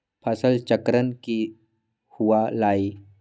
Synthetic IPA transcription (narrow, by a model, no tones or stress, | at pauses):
pʰasəlt͡ʃəkɾənki | huwalaːi